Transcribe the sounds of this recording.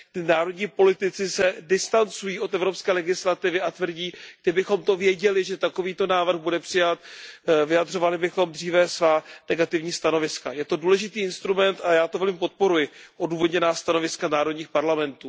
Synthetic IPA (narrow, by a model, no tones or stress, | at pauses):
t̪ɪnaːɾo̞dɲiːpo̞lɪt̪ɪt͡sɪsɛdɪst̪ant͡sujiːʔo̞t̪ɛvɾo̞pskɛːlɛɡɪslat̪ɪvɪʔat̪vr̩ɟiːɡ̚dɪbɪxo̞mt̪o̞vjɛɟɛlɪʒɛt̪ako̞viːt̪o̞naːvr̩ɣbudɛpr̥ɪjat̪vɪjadr̝o̞valɪbɪxo̞md̪riːvɛsvaːnɛɡat̪ɪvɲiːst̪ano̞vɪskajɛt̪o̞duːlɛʒɪt̪iːɪnst̪ɾumɛnt̪ajaːt̪ovɛlmɪp̬o̞t̪̚po̞ɾujɪʔoduːvo̞d̪ɲɛnaːst̪ano̞vɪskanaːɾo̞dɲiːxpaɾlamɛnt̪uː